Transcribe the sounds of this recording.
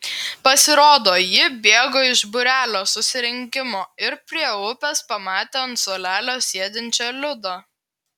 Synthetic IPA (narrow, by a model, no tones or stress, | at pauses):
pɐsʲɪɾoːd̪oːjɪbʲeːɡoːɪʒbʊɾʲæːlʲoːsʊsʲɪɾʲɪŋʲkʲɪmoːɪɾpʲɾʲiɛʊpʲɛspɐmɑːt̪ʲent̪solʲæːlʲoːsʲiɛd̪ʲɪnʲt͡ʃʲoːlʲʊd̪oː